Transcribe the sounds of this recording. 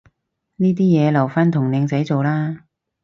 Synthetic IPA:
niː˥t̪̬iː˥jɛː˨˧lɐ˨˩wfaː˥nt̪ʰʊ˨˩ŋnɪ˨˧ŋt͡sɐ˨˥jt͡so˨wlaː˥

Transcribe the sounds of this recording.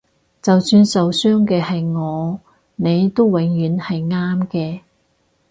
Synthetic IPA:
t͡sɐ˨wsyː˧nsɐ˨˧wsœː˥ŋkɛː˧hɐ˨jŋɔː˨˧ | ne˨˧jt̪o˥wwɪ˨˥ŋjyː˨˧˥nhɐ˨jŋaː˥mkɛː˧

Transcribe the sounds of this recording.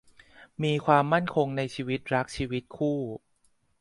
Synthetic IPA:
miː˧kʰwaː˧mːa˥˩nkʰo˧ŋna˧jt͡ɕʰiː˧wi˦˥t̪̚ɾa˦˥k̚t͡ɕʰiː˧wi˦˥t̪̚kʰuː˥˩

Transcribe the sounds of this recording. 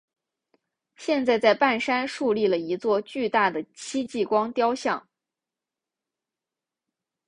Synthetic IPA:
ɕjɛ˥˧nt͡sa˥˧ɪt͡sa˥˧ɪpa˥˩nʂa˥nʂu˥˧li˥˩lə˩i˧˥t͡swɔ˥˧t͡ɕy˥˧t̪a˥˩d̪ə˩t͡ɕʰi˥t͡ɕi˥˩kwɑ˥ŋt̪jɑ˥ʊɕjɑ˥˩ŋ

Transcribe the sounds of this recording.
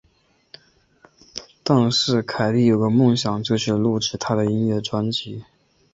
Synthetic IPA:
t̪ɑ˥˧ŋʂɻ̩˥˩kʰa˨˩ɪli˥˩jo˨˩ʊɡə˧˦mʊ˥˩ŋɕjɑ˨˩ŋt͡ɕjo˥˧t͡ɕʰy˥˩lu˥˩ʈ͡ʂɻ̩˥˩t̪ʰa˥d̪ə˨i˥ŋɥɛ˥˩ʈ͡ʂwa˥nt͡ɕi˧˥

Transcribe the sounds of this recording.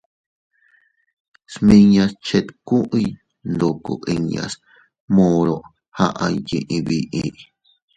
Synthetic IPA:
smĩ˧ɲã˧st͡ʃe˧t̪kũ˦ʔi˧ | nd̪o˨ko̰˨ʔi˧ɲã̰˧s | mõ˧ɾo˧ʔ | ha˧ʔa˧jĩ˧ʔĩ˧βi˧ʔi˧ʔ

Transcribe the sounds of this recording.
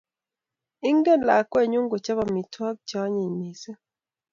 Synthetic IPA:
i˦ŋɡe˦˨la˨kwe˦˨ɲu˦ŋɡo˨t͡ʃa˦βa˨mi˨twa˦k̚t͡ʃa˨˦ɲi˨ɲi˨sɛ˦

